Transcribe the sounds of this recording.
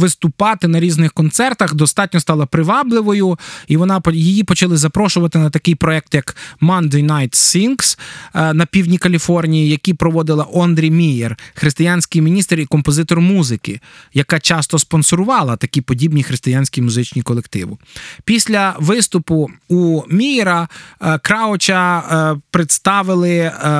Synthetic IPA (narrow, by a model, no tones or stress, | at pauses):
ʋɪst̪ʊpɑt̪ɪnɐɾʲiznɪxkɔnt̪sɛrt̪ɐxd̪ɔst̪ɑt̚ʲnʲɔst̪ɑlˠɐpɾɪʋɑblˠɪʋɔjʊiʋɔnɑpjijipɔt͡ʃɐlˠɪzɐpɾɔʃʊʋɐt̪ɪnɐt̪ɐkɪjpɾɔɛk̚t̪jɐkmɔnd̪ejnajt̪sʲinksnɐpʲiwnʲikɐlʲifɔrnʲijijɐkʲipɾɔʋɔd̪ɪlˠɐʔɔnd̪ɾʲijmʲijerxɾɪst̪ɪjanʲsʲkɪjmʲinʲist̪rikɔmpɔzɪt̪ɔrmuzɪkɪjɐkɑt͡ʃɑst̪ɔspɔnsɔɾʊʋɑlˠɐt̪ɐkʲipɔdʲibnʲixɾɪst̪ɪjanʲsʲkʲijmʊzɪt͡ʃnʲikɔlˠekt̪ɪ̰ʋʊpʲisʲlʲɐʋɪst̪ʊpʊumʲijeɾɐkɾɑɔt͡ʃɐpɾet̪st̪ɑʋɪlˠɪ